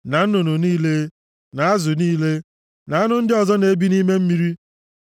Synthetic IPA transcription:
na˨n̩˦nʊ˨nu˨niː˦le˦ | na˨a˦zʊ˨niː˦le˦ | na˨a˦nʊ˦n̩˦dɪ˦ɔ˨zɔ˦ne˨˦bi˦ni˦me˦m̩˦mi˦ɾi˦

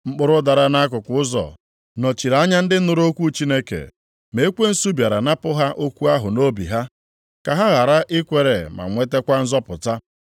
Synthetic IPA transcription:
ŋ͡m̩˦k͡pʊ˦ɾʊ˦da˨ɾa˦na˦kʊ˨kʊ˨˦ʊ˦zɔ̰˨ | nɔ˨t͡ʃi˨ɾa˨˦ɲa˦n̩˦dɪ˦nʊ˦ɾo˦kʷu˦t͡ʃi˦ne˦kḛ˨ | me˦e˦kʷe˦n̩˦su˦bja˨ɾa˨na˦pʊ˦ɦa˦ʔo˦kʷu˦a˦ɦʊ˨no˦bḭ˨ɦa˦ | ka˨ɦa˦ɣa˨ɾa˦ʔɪ˦kʷe˨ɾḛ˨ma̰˨ŋʷe˦te˦kʷa˦n̩˦zɔ˦pʊ˨ta˦

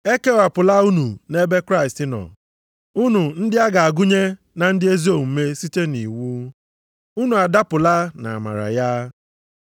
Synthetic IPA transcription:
e˦ke˦wa˨pʊ˨la˦u˦nu˨ne˦be˦kɾa˦ɪ˨stɪ˦nɔ̰˨ | u˦nu˨n̩˦dɪ˦a˦ɡa˨a˨ɡʊ˦ɲe˦ | na˨n̩˦dɪ˦e˦zi˦o˨m̩˨˦me˦si˦te˦nḭ˨wu˦ | u˦nu˨a˨da˦pʊ˨la˦na̰˨ma̰˨ɾa̰˨ja˦

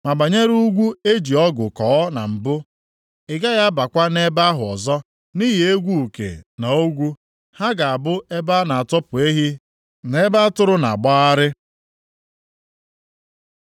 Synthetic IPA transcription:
ma˨ba˨ɲe˦ɾu˦ɡʷu˦e˦d͡ʒi˨ɔ˦ɡʊ˨kɔː˨˦na̰˨m̩˨bʊ˦ | ɪ˨ɡa˦ɣa˦ba˨kʷa˦ne˦ba˦ɦʊ˨ɔ˨zɔ˦ | ni˦ɦi˨e˦ɡʷu˦u˨kḛ˨na˨o˦ɡʷu˦ | ha˦ɡa˨a˨bʊ˦e˦ba˦na˨a˨tɔ˦pʊ˨e˦ɦi˦ | ne˦ba˦tʊ˦ɾʊ˦na̰˨a˨ɡ͡ba˦a˦ɾɪ˦

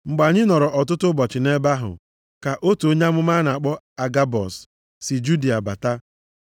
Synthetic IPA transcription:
ŋ͡m̩˨ɡ͡ba˨ɲɪ˦nɔ˨ɾɔ˨ʔɔ˨tʊ˦tʊ˦bɔ˨t͡ʃɪ˨ne˦ba˦ɦʊ̰˨ | ka˨ʔo˦to˨˦ɲa˦mʊ˦ma˦na˨k͡pɔ˦ | a˨ɡa˦bɔ˨s | si˨d͡ʒu˦di˨a˨ba̰˨ta˦

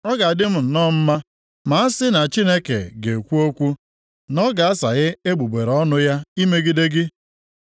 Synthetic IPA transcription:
ɔ˦ɡa˨a˨dɪ˦m̩˦n̩˨nɔ˦m̩˦ma˦ | ma˨a˦sɪ˦na˨t͡ʃi˦ne˦kḛ˨ɡe˨kʷu˦o˦kʷu˦ | nɔ˦ɡa˨a˦sa̰˨ɣɪ˦e˦ɡ͡bu˨ɡ͡be˨ɾɔ˦nʊ˦ja˦i˦me˦ɡi˦de˦ɡɪ˦

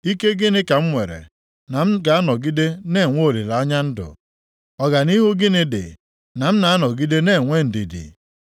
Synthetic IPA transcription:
i˦ke˦ɡɪ˦nɪ˦ka˨m̩˦ŋʷe˨ɾḛ˨ | na˨m̩˦ɡa˨a˦nɔ˨ɡi˦de˦ne˦˨ŋʷo˦˨li˨la˨ɔ˦ɲa˦n̩˦dʊ̰˨ | ɔ˨ɡa˨ni˦ɦu˦ɡɪ˦nɪ˦dɪ̰˨ | na˨m̩˦na˨a˦nɔ˨ɡi˦de˦ne˦˨ŋʷe˦n̩˨di˨dḭ˨

